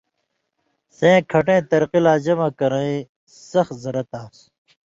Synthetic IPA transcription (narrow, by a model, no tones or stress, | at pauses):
sẽːkʰɐʈẽːt̪ɐɾqilaːd͡ʑɐmakɐɾɐ̃ĩ | sɐxzɐɾɐt̪aːs